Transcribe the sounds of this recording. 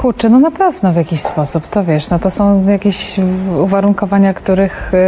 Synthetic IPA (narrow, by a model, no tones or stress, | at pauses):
kuɾt͡ʂɛnɔnapɛvnɔvʲjakʲiɕspɔsupt̪ɔvʲjɛʂnɔt̪ɔsɔ̃w̃jakʲeɕuvaɾuŋkɔvaɲakt̪uɾɘx